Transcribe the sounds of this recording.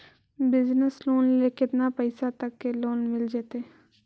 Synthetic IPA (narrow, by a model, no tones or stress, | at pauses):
bɪznəsloːnleːkɪt̪naːpəɪsat̪əkːeloːnmɪld͡ʒeːt̪eː